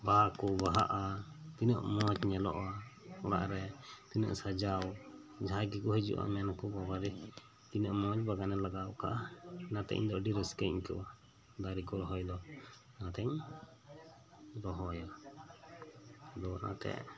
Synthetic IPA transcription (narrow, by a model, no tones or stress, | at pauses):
bakɔbaɦa̰ʔa | t̪inə̰ʔmɔt͡ʃɲɛlɔ̰ʔaɔɽa̰ʔɾɛt̪iɲə̰ʔsad͡ʒawd͡ʒaɦaɡikɔɦɛd͡ʒṵʔa̰mɛnkɔbabaɾi | t̪inəʔmɔd͡ʒbaɡanɛlaɡaʔka̰ʔanat̪ɛ̰ɲd̪ɔɖiɾəskəɲkɛ̰wa | d̪aɾikɔɾɔɦɔjlɔ | nat̪ɛɲ | ɾɔɦɔja | d̪ɔna̰t̪ɛ̰